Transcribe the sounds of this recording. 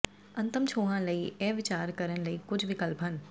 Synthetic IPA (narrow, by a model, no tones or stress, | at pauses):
ɐ̃nt̪əmt͡ʃʰoːɦãːləiɛːʋɪt͡ʃaːɾkəɾənləikʊd͡ʒʋɪkəlpʰən